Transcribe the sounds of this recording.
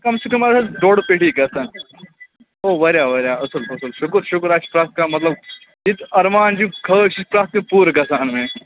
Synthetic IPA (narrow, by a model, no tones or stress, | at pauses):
kɐmsekɐmasaɖoːɽpeʈiːkɐsaːn | oːʋɐɾjaːʋɐɾjaɐsɐlfɐsəlʃukɾʃukɾaʃi̥pɾaːt̪̚ʰkamɐt̪lɐb̚ | it̪ɐɾmaːnd͡ʒĩkʰəːʃipɾaːt̪mepuːɾkɐsaːnme